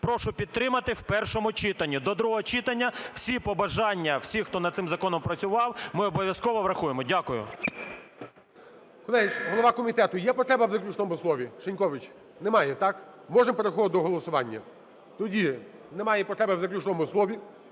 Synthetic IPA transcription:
pɾɔʃʊpʲid̪̚t̪ɾɪmɐt̪ɪwpɛrʃɔmʊt͡ʃɪt̪ɐnʲːid̪ɔd̪ɾuɦɔɦɔt͡ʃit̪ɐnʲːɐw̥sʲipɔbɐʒɑnʲːɐwsʲixt̪ɔnɐd̪sɪmzɐkɔnɔmpɾɐt͡sʲʊʋɑwmɪɔbɔʋʲjɐskɔʋɔʋɾɐxujemɔdʲakʊjʊ̰ | kɔlˠɛɦɪʃɦɔlˠɔʋɑkɔmʲit̪ɛt̪ʊjɛpɔt̪ɾɛbɐwzɐklʲʊt͡ʃnɔmʊslˠɔʋʲiʃenʲkɔʋɪt͡ʃ | nɛmɑjɛt̪ɑk | mɔʒempeɾexɔd̪ɪd̪ɔɦɔlˠɔsʊʋɑ̰nʲːɐ̰ | t̪ɔdʲi | nɛmɑjɛpɔt̪ɾɛbeʋzɐklʲʊt͡ʃnɔmʊslˠɔʋʲi

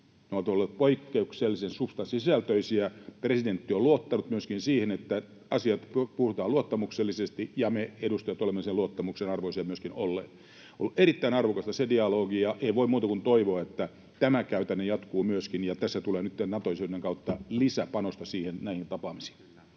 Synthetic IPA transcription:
neoʋɑt̪olːeːt̪̚poikːeukselːisensupst̪ɑnsisælt̪øisiæpresident̪ːioluot̪ːɑnut̪myøskinsiːhenet̪ːæ | ɑsiɑt̪ppuhut̪ɑːluot̪ːɑmukselːisest̪ijɑmeedust̪ɑjɑt̪olemːeseluot̪ːɑmuksenɑrʋoisiɑmyøskinolːḛːt̪ | o̰lːuʔerit̪ːæinɑrʋokɑst̪ɑsediɑloːɡijɑʔeiʋoimuːt̪ɑkunt̪oiʋoɑet̪ːæ | t̪æmækæyt̪ænːejɑt̪kuːmyøskinjɑt̪æsːæt̪uleːnyt̪ːennɑt̪oiseøyueŋkɑut̪ːɑlisæpɑnost̪ɑsiːhennæihint̪ɑpɑmisi̥ːn

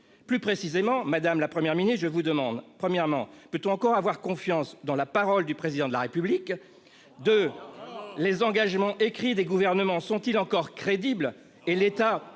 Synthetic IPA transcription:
plypχesizemɑ̃mad̪amlapχəmjɛʁminist̪ʒəvud̪əmɑ̃d̪pχəmjɛʁmɑ̃pøt̪ɔ̃ɑ̃kɔʁavwaʁkɔ̃fjɑ̃sd̪ɑ̃lapaʁɔld̪ypχezid̪ɑ̃d̪əlaʁepyblik | d̪ə | lezɑ̃ɡaʒmɑ̃ʔekχid̪eɡuvɛʁnəmɑ̃sɔ̃t̪ilɑ̃kɔʁkχed̪ibl | elet̪a

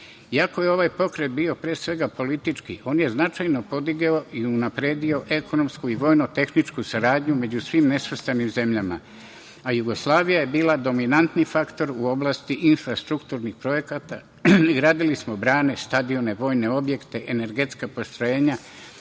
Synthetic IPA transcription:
iako̞jeo̞ʋajpo̞kɾe̞t̪̚bio̞pɾeːsʋe̞ɡapo̞lit̪it͡ʃkḭʔo̞ːnje̞znat͡ʃajno̞po̞d̪iɡaoiunapɾe̞ːd̪io̞ʔe̞kʰonomskuiʋo̞ːjnot̪e̞xnit͡ʃkusaɾaːd̪ɲume̞d͡ʑusʋimne̞sʋrst̪animze̞mʎama | ajuɡo̞slaːʋijaje̞biːlad̪o̞minant̪nifakt̪o̞ɾuo̞blˠast̪iʔinfɾast̪ɾukt̪uːɾnixpɾo̞je̞kat̪a | ɡɾaːd̪ilismo̞bɾaːne̞st̪ad̪io̞ne̞ʋo̞ːjne̞o̞bje̞kt̪e̞ʔene̞ɾɡe̞t̪skapo̞st̪ɾo̞je̞ːɲa

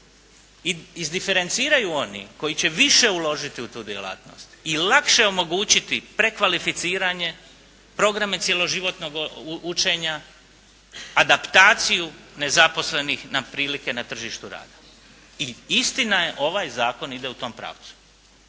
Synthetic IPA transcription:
iizd̪ife̞ɾe̞nt̪siːɾajuo̞nḭko̞jit͡ɕe̞ʋiʃe̞ulˠo̞ʒit̪iut̪uːd̪jḛla̰ːt̪no̞̰st̪ilakʃe̞o̞mo̞ɡuːt͡ɕit̪ipɾe̞kʋalifit̪siːɾaɲe̞ | pɾo̞ɡɾame̞t̪sje̞lo̞ʒiʋo̞t̪no̞ɡut͡ʃe̞ɲa | d̪apt̪aːt̪sijune̞zapo̞sle̞nixnapɾiːlike̞nat̪r̩ʒiʃt̪uɾa̰ːd̪a | iist̪inajeʔo̞ʋaːjzaːko̞nid̪e̞ut̪o̞ːmpɾa̰ːʋt̪su̥

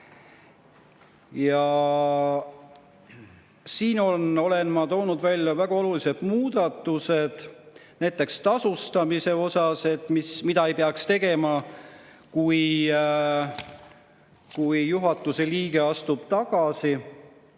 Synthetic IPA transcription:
jɑ | siːno̞no̞le̞nmɑt̪o̞ːnud̪vælʲjɑvæɡ̥ɑo̞lulise̞d̪̥muːd̪̥ɑt̪ːˑuse̞d̪̥næjt̪ˑːe̞kst̪ɑsust̪ɑmise̞o̞sɑse̞t̪mismid̪ɑejpeɑkst̪e̞ɡe̞mɑ | kuj | kujjuɦɑt̪ːˑuse̞liːɡ̥eɑst̪ub̥t̪ɑɡ̥ɑsi

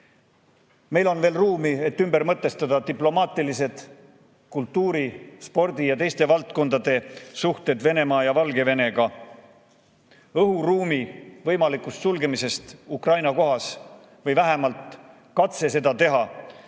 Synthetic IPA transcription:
me̞jlo̞nve̞ːlruːmie̞t̪ːymb̥əɾmɤt̪ːˑe̞st̪ɑd̪̥ɑt̪iplo̞mɑːt̪ːˑilise̞d̪̥ | kult̪ːuːɾispo̞rd̪ijɑt̪e̞jst̪e̞vɑlt̪ko̞nd̪ɑd̪e̞suht̪e̞d̪ve̞ne̞mɑːjɑvɑlɡe̞ve̞ne̞ɡɑ | ɤɦuruːmivɤ̞jmɑlikːˑust̪sulɡe̞mise̞st̪ukrɑjnɑko̞ɦɑs | vɤjvæɦemɑlt̪ | kɑt̪se̞se̞d̪ɑt̪e̞ɦɑ

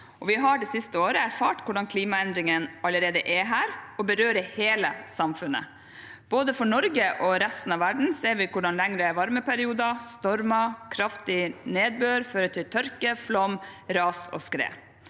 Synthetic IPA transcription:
ʔɔʋɪɦɑɖɛsɪst̪əoːɾəæɾfɑːʈkʊɖɑŋkʰliːmɑɛnd̪ɾɪŋənɑləɾeːd̪əʔɛɦæːɾɔbəɾøːɾəheːləsɑmfʉnə̰ | b̥oːd̪əfɔɳɔɾɡəʔɔɾɛst̪n̩ɑʋæɖɳ̩seːɾʋɪkʊɖɑnlɛŋɾəʋɑɾməpʰæɾɪuːd̪ɑst̪ɔɾmɑkʰɾɑft̪ɪneːd̪̚bøːɾføːɾət̪ʰɪlt̪ʰœɾkəflɔmɾɑːsɔ̰skɾḛː

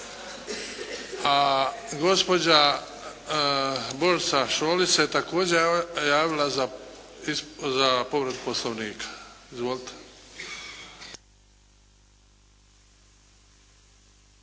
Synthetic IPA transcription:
a | ɡo̞spo̞d͡ʑa | bo̞ɾt̪saʃoːliseet̪ako̞ːd͡ʑejaːʋilazaiszapo̞ʋɾed̪posloʋniːkʰḁizʋolit̪ʰe̥

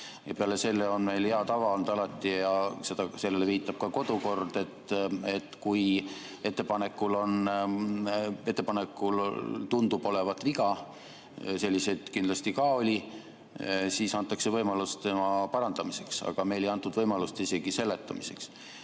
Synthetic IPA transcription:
jɑpeɑle̞se̞lːeo̞nme̞jlheɑt̪ɑvɑolnud̪ɑlɑt̪ːˑijɑse̞d̪ɑse̞lːeleviːt̪ːˑɑb̥kɑko̞d̪̥uko̞rd̪̥e̞t̪ːe̞t̪ːkuj | e̞t̪ːe̞pɑne̞kːulo̞n | e̞t̪ːˑe̞pɑnekːˑult̪und̪ub̥o̞le̞vɑt̪ːˑvikɑ | se̞lʲːise̞d̪̥kind̪lɑst̪ikɑo̞lʲi | siːsɑnt̪ːˑɑkse̞vɤjmɑlust̪t̪e̞mɑpɑɾɑnd̪̥ɑmise̞ksɑ̰ɡ̥ɑme̞jlejɑnt̪ːˑud̪vɤjmɑlust̪ise̞ɡ̥ise̞lːe̞t̪ːˑɑmise̞̰ks

